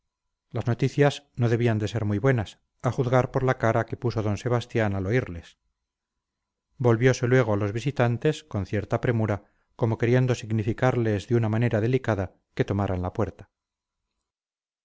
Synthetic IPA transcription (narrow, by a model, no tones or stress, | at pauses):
lazno̞t̪iθjasno̞ðe̞βiand̪e̞se̞ɾmuijβwe̞nas | aχuðɣaɾpo̞ɾlakaɾake̞puso̞ðo̞nse̞β̞ast̪janalo̞iɾle̞s | bo̞lβjo̞se̞lwe̞ɣ̞o̞alo̞zβisit̪ant̪e̞sko̞nθje̞ɾt̪apɾe̞muɾa | ko̞mo̞ke̞ɾje̞nd̪o̞siɣnifikaɾle̞zðeunamane̞ɾað̞e̞likaða | ke̞t̪o̞maɾanlapwe̞ɾt̪ḁ